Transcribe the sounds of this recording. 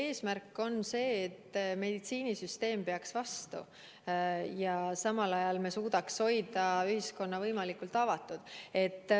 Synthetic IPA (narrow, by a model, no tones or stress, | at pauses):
e̞ːsmærkːˑo̞nse̞ːt̪ːme̞d̪̥it̪siːnisyst̪e̞ːmpe̞ɑksvɑst̪ṵ | jɑsɑmɑlɑjɑlmesuːd̪̥ɑksho̞jd̪̥ɑyhisko̞nːɑvɤjmɑlikult̪ːˑɑvɑt̪ːˑud̪̥e̞t̪ːˑ